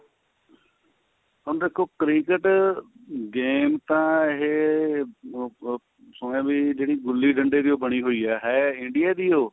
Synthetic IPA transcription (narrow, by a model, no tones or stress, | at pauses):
ɦʊñːd̪eːkʰoːkɾiːkəʈ | ɡeːmt̪ãːɪɦe | sʊmãːbiːd͡ʒeːɽiːɡʊlːiːɖə̃ɳɖeːd̪ioːbəɽ̃iːɦoːiːɛːɦɛːɪ̃ɳɖɪjaːd̪iːoː